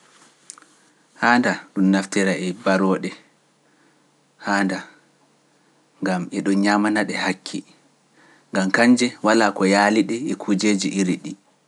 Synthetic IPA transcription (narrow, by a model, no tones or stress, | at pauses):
haːndaɗumnaftɛɾaɛbaɾɔːɗɛ | haːnda | ŋɡamɛɗɔnɲamanaɗɛhakʰːi | ŋɡamkaɲd͡ʒɛwalaːkɔjaːliɗɛɛkʰud͡ʒeːd͡ʒiʔiɾiɗi